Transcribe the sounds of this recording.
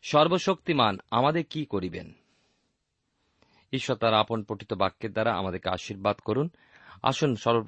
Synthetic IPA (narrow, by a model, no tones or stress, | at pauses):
ʃɔɾboʃokt̪imanamad̪eɾkikoɾibḛn | iʃːot̪aɾaponpɾoʈʰit̪obakːeɾd̪aɾaa̰mad̪eɾkea̰ʃiɾbad̪koɾun | a̰ʃunʃɔɾbo